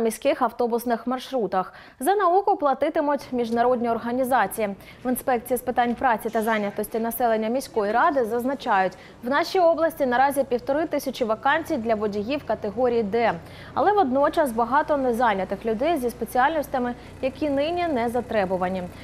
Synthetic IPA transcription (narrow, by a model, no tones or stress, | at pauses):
mʲisʲkɪxɐwt̪ɔbʊsnɪxmɐrʃɾut̪ɐx | zɐnɐukʊplˠɐt̪ɪt̪ɪmʊtʲmʲiʒnɐɾɔdʲnʲiɔrɦɐnʲizɑt͡sʲiji | ʋɪnspɛk̚t͡sʲijispɪt̪ɑnʲpɾɑt͡sʲit̪ɐzɑnʲjɐt̪ɔsʲtʲinɐsɛlˠe̞nʲːɐmʲisʲkɔjiɾɑd̪ɪzɐznɐt͡ʃɑjʊtʲ | wnɑʃʲijɔblˠɐsʲtʲinɐɾɑzʲipʲiwt̪ɔɾɪt̪ɪsʲɐt͡ʃiʋɐkɑnʲt͡sʲijd̪lʲɐʋɔdʲijiwkɐt̪eɦɔɾʲijːd̪ɛ | ɐ̰lˠɛʋɔd̪nɔt͡ʃɐsbɐɦɑt̪ɔnɛzɑnʲɐt̪ɪxlʲʊd̪ɛjzʲispe̞t͡sʲiɑlʲnɔsʲtʲɐmɪ | jɐkʲinɪnʲinɛzɐt̪ɾɛbʊʋɐnʲi